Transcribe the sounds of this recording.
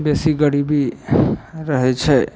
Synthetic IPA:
besiɡəɽibi | ɾəɦɛt͡ʃʰɛ

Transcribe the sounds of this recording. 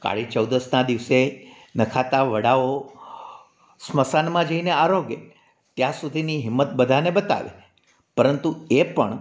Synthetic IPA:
ka̰ɭit͡ʃəwd̪əsnad̪iʋse | nəkʰat̪aʋəɽao | sməsanmãd͡ʒəineaɾoɡḛ | t̪jãsud̪ʱiniɦɪmːət̪̚bəd̪ʱanebət̪a̰ʋḛ | pəɾənt̪uepəɳ

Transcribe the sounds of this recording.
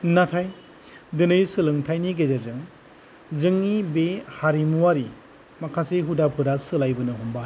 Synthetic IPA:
natʰaj | dɯnɯjsɯlɯŋtʰajniɡezazɯŋ | zɯŋːibehaɾimuwaɾi | makʰaseɦudapʰɯɾasɯlajbɯnɯɦumba

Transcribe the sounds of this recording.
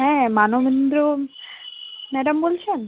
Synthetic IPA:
ɦɛ̃manobend̪ɾo | mɛɖambolt͡ɕʰen

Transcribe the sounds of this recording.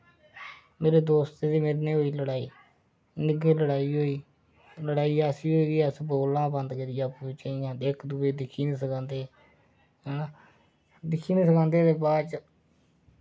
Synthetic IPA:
meːɾeːd̪oːst̪eːd̪iːmeːɾnẽːɦoːiːləɽaːiː | nɪɡeːləɽaːiːɦoːiː | ləɽaːiːaːsiːɦoːiːɡiːəsboːlãːbənd̪keɾɪjãːput͡ʃaːiːjãːd̪eːkʰd̪ubeːd̪ɪkʰiːnĩːsəkãːnd̪eː | ɦɛna | d̪ɪkʰːiːnĩːsəkãːnd̪eːt̪eːpaːt͡ʃ

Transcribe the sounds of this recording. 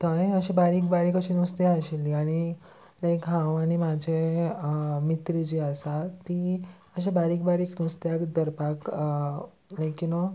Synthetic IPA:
t̪əjəɕebaɾiːk̚baɾiːkəɕinist̪eaɕilːiaɽ̃i | naikãʋaɽ̃imad͡ʑʱe | mit̪ɾid͡ʑiəsat̪i | əɕebaɾik̚baɾiːknust̪jakd̪əɾpak | nə̃jkino

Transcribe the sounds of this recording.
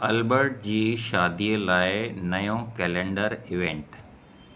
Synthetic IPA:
ɐlbəɾʈ̚d͡ʑiːʃaːd̪iəlaːɪnɐjõkɛːlẽɳɖəɾɪʋẽɳʈ

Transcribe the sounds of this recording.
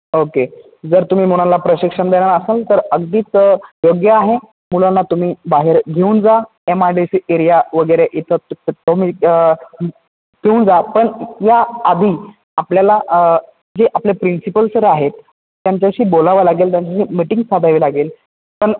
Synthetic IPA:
oke | d͡zəɾt̪um̤iːm̤uɽ̃alapɾəɕikʂəɳd̪eɽaɾəsəlt̪əɾəɡd̪iːt͡sjoɡjəaɦe | mulanːat̪um̤iːbaɦeɾɡʱeuːnd͡za | emaɾɖiseɾijaʋəɡəɾeʔit̪ʰəomi | k̪euːnd͡zapəɳjaːd̪ʱiː | apljala | d͡ʑeʔaplepɾinsipəlsəɾaɦet̪ː | jaɲt͡ɕjaɕiːbolaʋalaɡeːlt̪jaɲt͡ɕaɕiːmiʈiŋɡsad̪ʱaʋilaɡeːl | pəɳ

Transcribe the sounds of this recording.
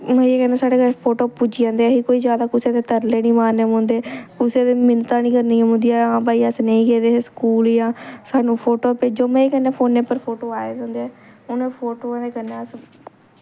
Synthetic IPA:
mə̃eːkɛ̃ːneːsaːɽeːɡəɾpʰoːʈoːpud͡ʒiːãːnd̪eːɦiːkoːiːzjaːd̪aːkʊseːd̪eːt̪əɾleːnĩːmaːɾneːmʊ̃ːnd̪eːkʊseːd̪eːmɪnt̪ãːnĩːkəɾnĩːmɦʊ̃ːnd̪ijaːãːbaːiːəsnəĩːɡeːd̪eːskuːljãːsaːnũːpʰoːʈoːpeːd͡ʒoːmɛ̃ːeːkənːeːpʰoːnːeːpəɾpʰoːʈoːaːeːd̪ẽːnd̪eː | ʊnẽːpʰoːʈoːãːd̪eːkənːeːəs

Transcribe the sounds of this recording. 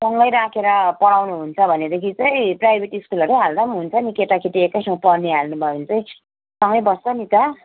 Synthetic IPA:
sʌŋɡʌjɾakʰeɾʌpʌɽawnuɦunt͡sʰʌbʱʌned̪ekʰit͡sʌj̃prajbʱeʈiːskulʌɾteɦald̪ʌmɦunt͡sʰʌnikeʈakʰeʈiekːajsʌŋɡʌpʌrniɦalnubʱʌunt͡sʌj̃ | sʌŋɡʌjbʌssʌnit̪ʌ

